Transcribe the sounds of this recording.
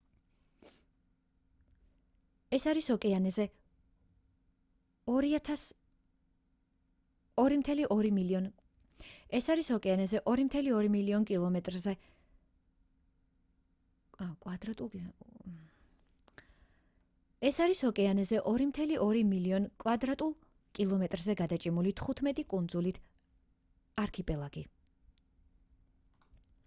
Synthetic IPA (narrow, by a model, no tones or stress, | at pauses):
ɛsaɾisɔkʼɛanɛzɛ | ɔɾiat̪ʰas | ɔɾimt̪ʰɛliʔɔɾimiliɔn | ɛsaɾisɔkʼɛanɛzɛʔɔɾimt̪ʰɛliɔɾimiliɔnkʼilˠɔmɛt̪ʼɾzɛ | akʼad̪ɾat̪ʼ | ɛsaɾishɔkʼɛanɛzɛʔɔɾimt̪ʰɛliʔɔɾimiliɔnkʼwad̪ɾat̪ʼulˠ | kʼilˠɔmɛt̪ʼɾzɛɡad̪at͡ʃʼimulit̪ʰχut̪ʰmɛt̪ʼikʼund̪zulit̪ʰ | aɾkʰipʼɛlˠaɡi